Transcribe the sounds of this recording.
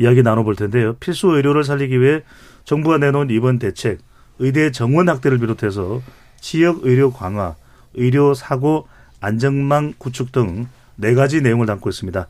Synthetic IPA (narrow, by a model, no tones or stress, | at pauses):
ijaɡinanoboɭtʰe̞nde̞jopʰiɭs͈uɯjɾjoɾɯɭs̬ʰaʎːiɡiwie̞ | t͡ɕʌŋbuɡanenonibʌnte̞t͡ɕʰe̞ɡ̚ | ɯjdet͡ɕʌŋwʌnhak̚t͈e̞ɾɯɭp̬iɾotʰe̞s̬ʰʌ | t͡ɕijʌɡɯɾjokwaŋɦwa | ɯiɾjosʰaɡo | and͡ʑʌŋmaŋkut͡ɕʰuk̚t͈ɯŋ | ne̞ɡad͡ʑine̞joŋɯɭtaŋk͈ʰois͈ɯmɲida